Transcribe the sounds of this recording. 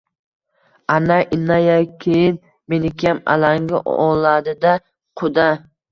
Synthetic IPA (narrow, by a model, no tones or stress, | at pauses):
anaʔɪnːajakʲʰejɪn | menɪkʲʰjama̰laŋɡʲɪʔɔlad̪ɪd̪a | qʰʊd̪a